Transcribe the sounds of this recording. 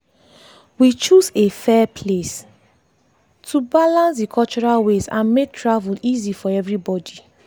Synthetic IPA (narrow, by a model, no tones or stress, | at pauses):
wit͡ʃuzefɛpʰles | tʰubalãns̬dikʰɔlt͡ʃɔɹalwezã̰nmek̚tʰɹavulizifɔɛvɹibɔdi